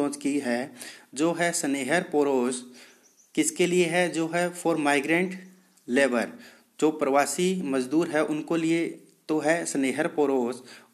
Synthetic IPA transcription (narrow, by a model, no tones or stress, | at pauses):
ɔ̃ːt͡ʃkiɦɛd͡ʒoːɦɛsəneːɦəɾpoːɾoːz | kɪskelieɦɛd͡ʒoːɦɛpʰɔːɾmaːɪɡɾẽɳʈ | leːbə̰ɾ | d͡ʒoːpɾəʋaːsimɐd͡ʒd̪uːɾɦɛʔʊnkolie | t̪oɦɛsəneːɦəɾpoːɾoːz